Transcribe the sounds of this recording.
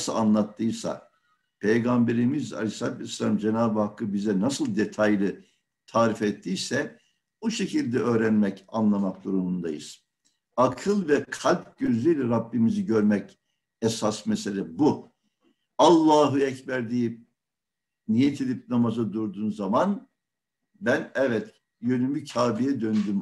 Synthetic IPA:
sɯa̰nlˠat̪ʰːɯsa̰ | pʰejɡambe̞ɾimiza̰lʲisat̪ʰvslʲamd͡ʒenaːbɯhakʰːɯbizɛnasɯlˠd̪et̪ʰajlʲɯ | t̪ʰaːɾifɛt̪ʰːijsɛ | buʃe̞cʰilʲd̪ɛø̞ːɾænmɛcanlˠamak̚d̪uɾumund̪ajɯ̰z̥ | akʰɯlˠvɛkʰalʲp̚ɟøzlʲyjlʲɛɾabːimiziɟøɾmɛc | ɛsasmɛselʲɛbu | alˠːaːɦɯɛcbæɾd̪iji | nijet̪ʰid̪ʲip̚namazad̪uɾd̪uːnzaman | bænɛvɛt̪ | jønymycʰaːbijɛd̪ønd̪ym

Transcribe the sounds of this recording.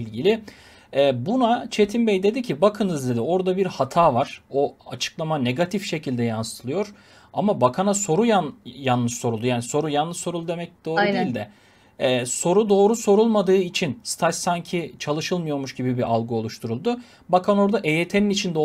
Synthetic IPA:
lʲɟilʲɪ | ɛːbunat͡ʃʰe̞t̪ʰinbɛjd̪e̞d̪icʰibakʰɯnɯzd̪ʲed̪io̞ɾd̪abiɾhat̪ʰaːvaɾ̥o̞at͡ʃʰɯ̥klˠamane̞ɡat̪ʰifʃe̞cʰilʲd̪ɛjansɯ̥t̪ʰɯlˠɯjo̞ɾ̥ | amabakʰanaso̞ɾujanjanlːˠɯʃso̞ɾulˠd̪ujaːniso̞ɾujanlːˠɯʃso̞ɾulˠud̪emɛc̚d̪o̞ːɾud̪iilʲd̪ɛː | so̞ɾud̪o̞ːɾuso̞ɾulˠmad̪ɯːit͡ʃʰinst̪ʰassaɲcʰit͡ʃʰalˠɯʃɯlˠmɯjo̞ɾmuʃɟibibiʔalˠɡuo̞lˠuʃt̪ʰuɾulˠd̪ʊ | bakʰano̞ɾd̪aʔe̞jet̪ʰe̞ninit͡ʃʰind̪o

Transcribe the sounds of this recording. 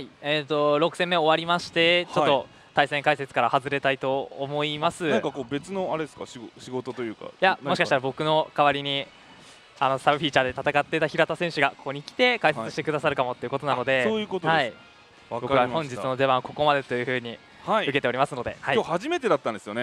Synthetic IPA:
haieːt̪o̞ɾo̞kɯ̟̥sẽ̞mːeo̞βaɾʲimaɕi̥t̪e̞t͡ɕo̞t̪ːo̞ | t̪aisẽ̞ŋkaise̞t͡sɨ̥kaɾahazɨɾe̞t̪ait̪o̞ːmo̞imasɨnãkakoːbe̞t͡sɨno̞aɾed̪eska̰ɕiɡoɕiɡo̞t̪ot̪o̞jɯ̟ːka̰jaoɕi̥kat̪aɾabo̞kɯ̟no̞kaβaɾʲiɲ̟i | ano̞sabɯ̟ɸʲiːt͡ɕaːd̪e̞t̪at̪akat̪ːe̞it̪açiɾat̪asẽ̞ɰ̃ɕɨɡakokoɲ̟ikʲi̥t̪e̞kaiset͡sɨ̥ɕi̥t̪e̞kɯ̟d̪asaɾɯ̟kamot̪ːeiɯ̟ko̞t̪o̞nano̞d̪e̞oːjɯ̟ːkot̪ohai | bokɯahõ̞ɲd͡ʑit͡sɨno̞d̪e̞βãko̞ko̞mad̪e̞t̪o̞jɯ̟ɸɯ̟ːɲ̟i | haiɯke̞t̪eɾʲimasɨno̞d̪e̞̰haioːhaʑime̞t̪e̞d̪at̪ːãnd̪esɨjone

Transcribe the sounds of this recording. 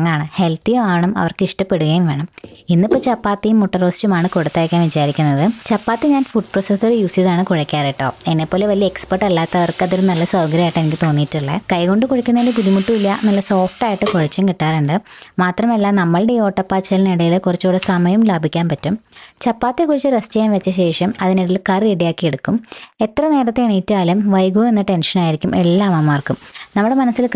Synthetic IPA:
ŋːaːɳɨhe̞lt̪ijoaːɳɐmɐ̰ʋɐrkiʂʈɐpːe̞ɽuɣɐjumʋe̞ːɳɐminːipːoːt͡ɕɐpːaːt̪ːijumːoʈːɐroːst͡ɕumaːɳɨkoɽut̪ːaːjkʲːaːnʋit͡ɕaːɾikʲːunːɐðɨt͡ɕɐpːaːt̪ːɨɲaːnfuɖ̚prosɐsoɽejuːsjiðaːɳɨkuɻɐkʲːaːɾiʈːo̞̰ːenːepːo̞ːleʋɐliɐekspɐrʈːɐlːaːt̪ːɐʋɐrkɨɐðiɾumnɐlːɐsɐwɡɐɾijaːjiʈːenikʲːɨt̪o̞ːnːijːʈːiɭːekɐjko̞ɳɖɨkoɻikʲːunːɐlɨpuðimuʈːuilːɐnɐlːɐso̞ːfʈaːjiʈːɨkuɻɐt͡ɕːumkiʈːaːɾuɳɖɨmaːt̪rɐmelːaːnɐmːɐɭɽeo̞ːʈːɐpːaːt͡ɕːɐlneɽɐjilkurɐt͡ɕːoːɽɐsɐmɐjɐmlaːbʱikʲːaːnpɐtːumt͡ɕɐpːaːt̪ːekuɻit͡ɕːɨɾɐst͡ɕɐjamʋet͡ɕːɐɕe̞ːʂɐmɐðiniɽilkɐriɽijaːkːieɽukːume̞t̪rɐne̞ːɾɐt̪ːe̞ːɳijitːuaːlumʋɐjɡume̞nːɨʈe̞nʂɐnaːjiɾikʲːume̞lːaːmaːmaːrkːumnɐmːuɽe̞mɐnɐsːil

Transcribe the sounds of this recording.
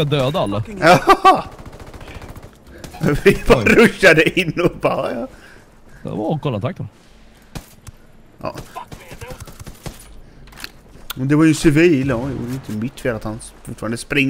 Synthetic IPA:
ad̪øːd̪aalːajɑː | vɪbɑɾaɾɵʃːad̪əɪnːɔbɑjɑ̰ː | akʰɔlːant̪ʰakt̪ɔ | ʔɑ̰ː | mɛnd̪ɛvaɾjəsɪviːlɔjʊ̰ɪnt̪əmɪt̪ʰːfeːɾat̪hanfʊʈːfɑːɾand̪əspɾɪŋː

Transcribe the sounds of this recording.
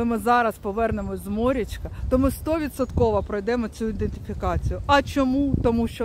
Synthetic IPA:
ɪmɪzɑɾɐspɔʋɛrnemɔzmɔɾʲit͡ʃkɐt̪ɔmɪst̪ɔʋʲid̪sɔt̪kɔʋɐpɾɔjd̪ɛmɔt͡sʲuid̪enʲt̪ɪfʲikɑt͡sʲijʊɐt͡ʃɔmut̪ɔmuʃt͡ʃɔ

